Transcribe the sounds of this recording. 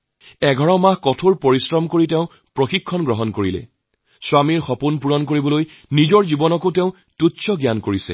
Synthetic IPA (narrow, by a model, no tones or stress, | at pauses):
ɛɡʱɔɹɔmahkɔtʰoɹpoɹisɹɔmkoɹitɛʊ̃ | pɹoxikʰːɔnɡɹɔɦɔnkoɹilɛ̰ | swamiɹxɔpunpuɹɔnkoɹibɔloj | nizɔɹzibɔnɔkotɛʊ̃ | tutsɔɡjankoɹisɛ̰